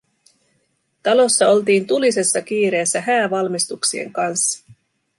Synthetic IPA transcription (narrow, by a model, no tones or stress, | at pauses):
t̪ɑlo̞sːɑo̞lt̪̬iːnt̪ulise̞sːɑk̟iːɾe̞ːsːæɦæːʋɑlmist̪uksiḛŋkɑnsːɑ̥